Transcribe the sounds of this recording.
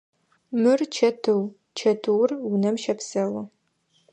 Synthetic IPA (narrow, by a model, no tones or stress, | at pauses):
mɨrt͡ʃʰɐtʰɨw | t͡ʃʰɐtʰɨwrwʊnɐmʃɐpsɐwɐ